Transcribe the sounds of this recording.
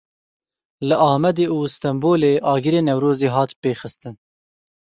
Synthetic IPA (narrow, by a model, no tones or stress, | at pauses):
lɨʔɑːmɛd̪eːuːst̪ɛmboːleːʔɑːɡɨɾeːnɛwɾoːziːɦɑːt̪peːxɨst̪ɨn